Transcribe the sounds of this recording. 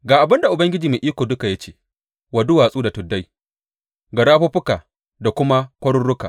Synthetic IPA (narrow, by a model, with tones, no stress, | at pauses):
ɡaː˨ʔa˨bɪ˦nda˨ʔʊ˨bɐ˦ŋɡʲɪ˦d͡ʒiː˨mi˨ʔiː˦kʷoː˨dʊ˦ka˨ja˦t͡ʃeː˦ | wa˨dʊ˦waː˨sʼuː˦da˨tʊ˨dːa˦j | ɡɐ˨ɽaː˦ɸʊ˦ɸʊ˦kaː˨ | da˨kʷʊ˦ma˦kʷɐ˦ɽʊ˦ɽʊ˦kaː˨